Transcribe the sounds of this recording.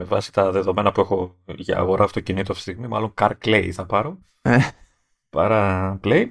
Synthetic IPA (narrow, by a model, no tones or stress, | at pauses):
me̞vɐsi̥t̪ɐðe̞ðo̞me̞nɐpue̞xo̞ʝɐ̰ːɣo̞ɾʔɐft̪ocinit̪oɐfist̪iɣmimɐ̰lo̞ŋkɐɾkleiθɐpɐɾo̞ | e | pɐ̰ɾɐplej